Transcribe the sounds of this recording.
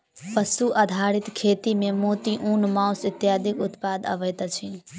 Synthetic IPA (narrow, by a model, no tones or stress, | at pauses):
pəsuʔəd̪ʱaɾit̪kʰet̪imemot̪iʔunmãʊsit̪jad̪ʱikut̪pad̪ə̰ʋəjt̪t͡ʃʰin